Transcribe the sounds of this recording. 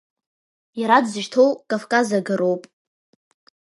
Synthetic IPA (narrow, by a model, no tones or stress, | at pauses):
jaɾadzɨʒtʰowkʼafkʼazaɡaɾo̞wpʼ